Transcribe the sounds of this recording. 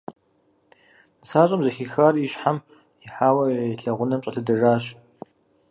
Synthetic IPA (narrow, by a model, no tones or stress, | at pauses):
nɨsaːɕʼɐmzɐxixaːriɕħam | ɪħaːwɐɬɐʁʷʊnɐmɕʼɐɬɨdɐʒaːɕ